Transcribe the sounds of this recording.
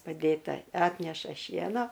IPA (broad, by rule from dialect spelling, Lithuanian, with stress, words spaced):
pɐˈdʲeːtɐ ˈɑːtʲnʲɛʃɐ ˈʃʲiɛnoː